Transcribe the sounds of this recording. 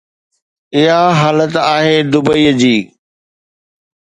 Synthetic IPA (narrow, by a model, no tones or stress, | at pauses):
ɪɦaɦaːlət̪aːɦed̪ʊbəiːəd͡ʑiː